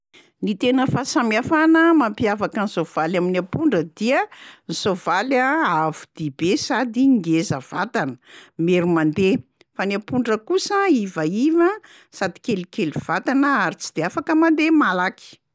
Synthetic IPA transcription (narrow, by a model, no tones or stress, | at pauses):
nit̪enəfasamiafanəmampiavakənizov̥alaminapuɳɖ͡ʐəd̪iənizovalaavu̥d̪̥ibesad̪iŋɡezəv̥at̪anə̥meɾumand̪e | fanapuɳɖ͡ʐəkusəivaivə | sad̪i̥kelikeliv̥at̪anəaɾit͡si̥d̪̥eafakəmand̪emalaki̥